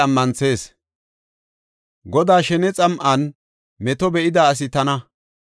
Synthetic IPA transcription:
ɐmːɐnt͡se̞ːs | ɡɔd̪aːʃɛnɛt͡sʼɐmʔɐn | mɛt̪ɔbɛʔɪd̪aːs̬ɪt̪ɐnɐ

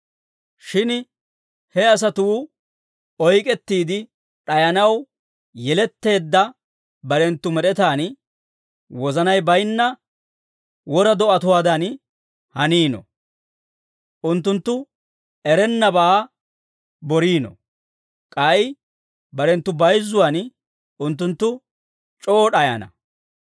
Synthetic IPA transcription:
ʃɪn | hɛɐs̬ɐt̪ʊː | ɔjkʼɛt̪ːiːd̪ɪ | ᶑɐjɐnɐw | jɛlɛt̪ːe̞ːd̪ːɐ | bɐɾɛnt̪ːʊmɛɗɛt̪aːn | wɔzɐnɐjbɐjnːɐ | wɔɾɐd̪ɔʔɐt̪ʊwaːd̪ɐn | hɐniːnɔ̰ | ʔʊnt̪ːʊnt̪ːʊ | ɛɾɛnːɐbaː | bɔɾiːnɔ̰ | kʼɐj | bɐɾɛnt̪ːʊbɐjzːʊwan | ʊnt̪ːʊnt̪ːʊ | t͡ʃʼoːɗɐjɐ̰nɐ̰

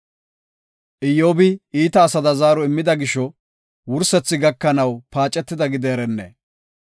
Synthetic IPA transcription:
ʔɪjːo̞ːbɪiːt̪ɐːsɐd̪ɐzaːɾɔɪmːɪd̪ɐɡɪʃɔ | wʊɾsɛt͡sːɪɡɐkːɐnɐwpaːt͡ʃʼɛt̪ːɪd̪ɐɡɪd̪eːɾɛnːḛː

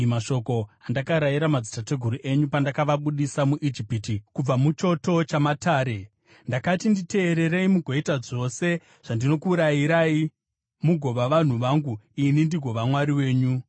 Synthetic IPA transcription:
maʃo̞ko̞andakaɾajiɾamad͡zitate̞ɡʱuɾuʔe̞ɲupandakaʋaɓuɗisamuʔid͡ʒipitikub͡vamut͡ʃo̞to̞t͡ʃamataːɾe̞ | ndakatindite̞ːɾe̞reimuɡʱo̞itad͡zo̞se̞ | ʐ̥andino̞kuːɾajiɾai | muɡʱo̞ʋaʋan̤uʋaŋɡuinindiɡʱo̞ʋamwaɾiwe̞ːɲu

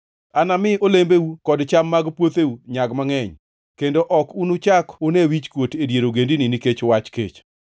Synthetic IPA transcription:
anamɪʔolembeukɔdt͡ʃamːaɡpwot̪euɲaɡmaŋɛɲ | kendoʔɔkunut͡ʃakʊnewit͡ʃkwotedjeɾoɡendininiket͡ʃwat͡ʃkḛt͡ʃ

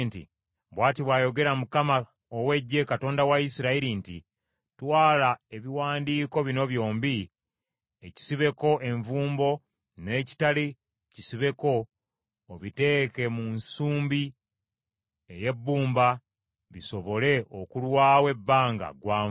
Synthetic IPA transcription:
ntḭ | βwaːtiβwaːjo̞ɡe̞ɾamukama | owe̞ɟːe̞kato̞ːndawaisiɾaiɾintḭ | twaːlae̞βiwaːndiːko̞βino̞βjo̞ːmbi | eci̥siβe̞ko̞ʔe̞ɱvuːmbo̞ | ne̞ːci̥tali | cisiβe̞ko̞ː | βite̞ːke̞munsuːmbi | eje̞bːuːmba | βiso̞βo̞le̞o̞̰kulwaːwe̞bːaːŋɡa̰ɡwaː

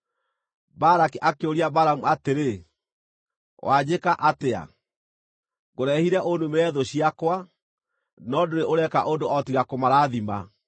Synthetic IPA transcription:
baɾakiʔakeoɾiabaɾamuateɾe | wʔad͡ʑekaʔatea̰ | ɣoɾɛhiɾɛʔonumeɾɛðoɕiakwa | nɔdoɾeʔoɾɛka̰ʔondoʔɔtiɣakomaɾaːðima̰

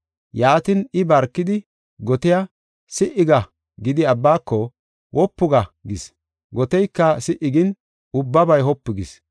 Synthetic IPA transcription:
jaːt̪ɪnɪbɐɾkːɪd̪ɪ | ɡɔt̪ɪjɐ | sɪʔɪɡɐ | ɡɪd̪ɪɐbːaːkːɔ | wʔɔpːʊɡɐɡɪs | ɡɔt̪ɛjkːɐsɪʔɪɡɪn | ʊbːɐbɐjɦɔpːɪɡɪs

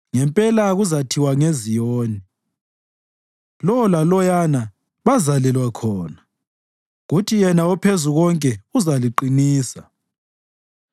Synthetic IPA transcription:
ŋɛmpʼɛlaɣuzatʰiwaŋezijoːni | lɔlalɔjana | βazalɛlwakʰɔːna | ɣutʰijɛnaɔpʰezuɣɔŋkʼɛuzaliǃiniːsa

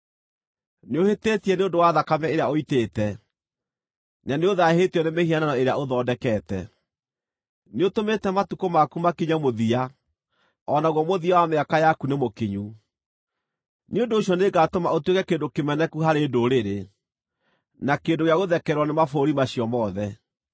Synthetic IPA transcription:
neoheteːtiɛneondowaðakamɛeɾeaoiteːtɛ | naneoðaheteɔnemehiananɔeɾeaoðɔːdɛkɛtɛ̰ | neotometɛmatukomakumakiɲamoðia | ɔnaɣwɔmoðiawameakajakunemokiɲu | neondoːɕjɔneɡatomaotwekɛkeːndokemɛnɛkuɦaɾeːdoɾeɾe | nakeːdoɣeaɣoðɛkɛɾwɔnemafoːɾimaɕijɔmɔːðɛ

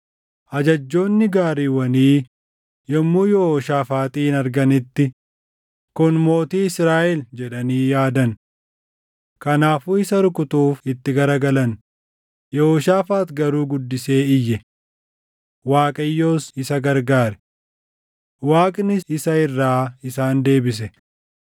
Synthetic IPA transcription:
ʔɐd͡ʒɐd͡ʒːo̞ːnːɪɡaːɾiːwɐniː | jɔmːuːjɛhoːʃaːfaːt̪ʼiːnɐɾɡɐnɪt̪ːɪ | kʊnmo̞ːt̪iːɪsɾaːʔɛld͡ʒɛɗɐniːjaːd̪ɐn | kɐnaːfuːɪsɐɾʊkʊt̪uːfɪt̪ːɪɡɐɾɐɡɐlɐn | jɔhoːʃaːfaːt̪ɡɐɾuːɡʊd̪ːɪse̞ːɪjːɛ | waːkʼɐjːo̞ːsɪsɐɡɐɾɡaːɾɛ̥ | waːkʼnɪɪsɐɪrːaːɪsaːnd̪e̞ːbɪs̬ɛ

